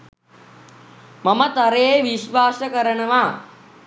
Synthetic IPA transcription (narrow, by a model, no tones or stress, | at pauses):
mamət̪aɾeeʋiʃʋaːsəkəɾənəʋa